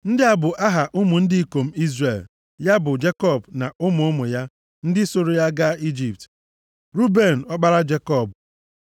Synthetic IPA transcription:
n̩˦dɪ˦a˦bʊ˨ʔa˦ɦa˨ʔʊ˦mʊ˨n̩˦dɪ˦i˦ko˨m̩˦i˦zre˨l | ja˦bʊ˨d͡ʒe˦kɔ˦˨bna˨ʔʊ˦mʊ˨ʊ˦mʊ˨ja˦ | n̩˦dɪ˦so˨ɾo˨ja˦ɡa˦i˦d͡ʒi˨p̚t | ɾu˦be˦˨n̩˨ɔ˦k͡pa˦ɾa˦d͡ʒe˦kɔ˦˨b

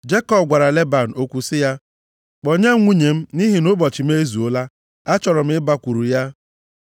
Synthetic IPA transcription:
d͡ʒe˦kɔ˦˨b̚ɡʷa˨ɾa˨le˦ba˨n̩˨o˦kʷu˦sɪ˦ja˦ | k͡po˨ɲe˦ŋʷu˦ɲe˨m̩˦ni˦ɦi˨nʊ˦bɔ˨t͡ʃɪ˨m̩˦e˦e˦zu˨o˦la˦ | a˦t͡ʃɔ˨ɾɔ˨m̩˦ɪ˦ba˦kʷu˨ɾu˨ja˦

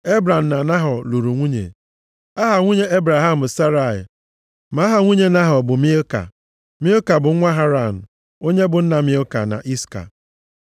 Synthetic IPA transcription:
e˦bɾa˨m̩˨na˨na˦ɦɔ˨lu˨ɾu˨ŋʷu˦ɲḛ˨ | a˦ɦa˨ŋʷu˦ɲe˦e˦bɾa˨ɦa˦m̩˨sa˦ɾa˨ɪ̰˨ | ma˨˦ɦa˨ŋʷu˦ɲe˦na˦ɦɔ˨bʊ˨mi˦o˦ka̰˨ | mi˦o˦ka˨bʊ˨˦ŋʷa˦ɦa˦ɾa˨nʊ˨ | o˦ɲe˦bʊ˨n̩˦na˨mi˦o˦ka̰˨na̰˨ʔi˦ska̰˨

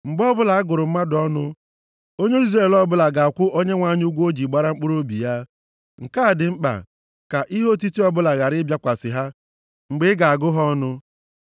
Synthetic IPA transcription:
ŋ͡m̩˨ɡ͡bɔ˦bʊ˦la˨a˦ɡʊ˨ɾʊ˨m̩˦ma˦dɔ˦nʊ˦ | o˦ɲe˦i˦zre˦˨lɔ˦bʊ˦la˨ɡa˨a˨kʷʊ˦ʔo˦ɲe˦ŋʷa˦ɲ˦u˦ɡʷo˦d͡ʒi˨ɡ͡ba˦ɾa˦ŋ͡m̩˦k͡pʊ˦ɾo˦bḭ˨ja˦ | ŋ̩˨ka˦˨dɪ˨ŋ͡m̩˦k͡pa̰˨ | ka˨ʔi˦ɦo˦t̬i˦ti˦ɔ˦bʊ˦la˨ɣa˨ɾɪ˦bja˦kʷa˨sɪ̰˨ɦa˦ | ŋ͡m̩˨ɡ͡bɪ˦ɡa˨a˨ɡʊ˦ɦɔ˦nʊ˦

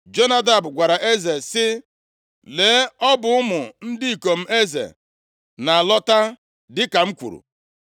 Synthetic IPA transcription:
d͡ʒo˦na˦da˨bʊ˨ɡʷa˨ɾa˨ʔe˦ze˨sɪ˦ | leː˨˦ɔ˦bʊ˨˦ʊ˦mʊ˨n̩˦dɪ˦i˨ko˨m̩˦e˦zḛ˨ | na˨a˨lɔ˦ta˦ | dɪ˦ka˨m̩˦kʷṵ˨ɾṵ˨

